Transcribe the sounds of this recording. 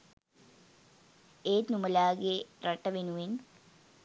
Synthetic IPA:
eːt̪numɐlaːɡerɐʈːɐʋenuʋen

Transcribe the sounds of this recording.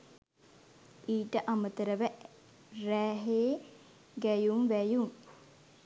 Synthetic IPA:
iːʈəʔamət̪əɾəʋə | ræːɦeː | ɡæjumʋæjuŋ

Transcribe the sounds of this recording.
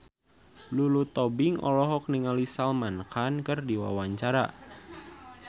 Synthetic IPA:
lulut̪ɔbiŋʔɔ̰lɔɦɔk̚niŋalisalmankankɨrdiwa̰waɲt͡ʃaɾa

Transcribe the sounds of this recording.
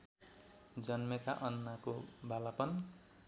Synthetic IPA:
d͡zʌnmekaʔʌnːakobalapʌn

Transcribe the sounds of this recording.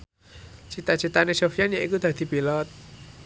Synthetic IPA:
t͡ʃi̤t̪at͡ʃi̤t̪anesofianjaʔikud̪̥a̤d̪̥i̤b̥ilɔt̪̚

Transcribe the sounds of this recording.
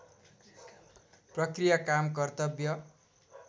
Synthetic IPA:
prʌkrijakamkʌrt̪ʌbjʌ

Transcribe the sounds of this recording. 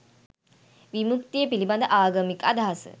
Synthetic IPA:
ʋimukt̪ijəpiliband̪əʔaːɡəmikad̪aɦasə̰

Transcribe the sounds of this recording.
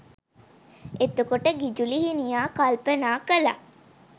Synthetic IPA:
et̪ukoʈəɡid͡ʒuliɦinijaːkalpənaːkəla̰

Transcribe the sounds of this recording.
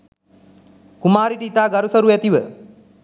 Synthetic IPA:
kumaːɾiʈəit̪aːɡaɾusəɾuæt̪iʋə

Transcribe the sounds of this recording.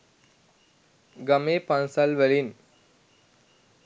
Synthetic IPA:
ɡameːpansalʋælin

